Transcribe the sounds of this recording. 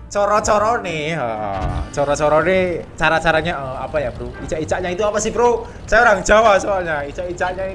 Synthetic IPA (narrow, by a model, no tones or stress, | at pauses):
t͡ʃɔɾɔt͡ʃɔɾɔneə̰t͡ʃɔɾɔt͡ʃɔɾɔnet͡ʃaɾat͡ʃaɾaɲaʔəa̰pajab̥əɾuit͡ʃaʔit͡ʃaʔɲait̪uapasibɾo | sajaoɾaŋ̥d͡ʒ̥a̤wasoalɲait͡ʃaʔit͡ʃaʔɲa